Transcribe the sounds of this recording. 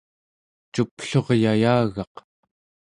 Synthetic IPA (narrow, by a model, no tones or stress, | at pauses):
t͡ʃupɬo̞ʁjajaːɣɑq